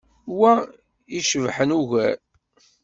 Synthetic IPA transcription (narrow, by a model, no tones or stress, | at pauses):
wæ | iʃəvħənuʝæɾ